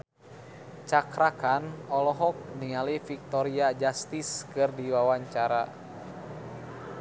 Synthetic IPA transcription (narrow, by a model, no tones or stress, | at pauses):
t͡ʃakɾakanɔlɔɦɔk̚niŋalifik̚t̪ɔɾiad͡ʒast̪iskɨrdiwawaɲt͡ʃaɾa